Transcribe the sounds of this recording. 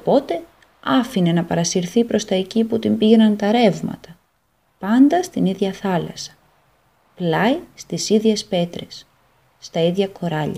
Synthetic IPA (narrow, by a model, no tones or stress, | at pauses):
opo̞t̪e̞ | ɐfine̞nɐpɐɾɐsiɾθipɾo̞st̪ɐeciput̪imbiʝe̞nɐnt̪ɐɾe̞vmɐ̰t̪ɐ | pɐnd̪ɐst̪iniðʝɐθɐlɐ̰sɐ̥ | plɐist̪isiðʝe̞spe̞t̪ɾe̞sː | t̪ɐiðʝɐko̞ɾɐʎɐ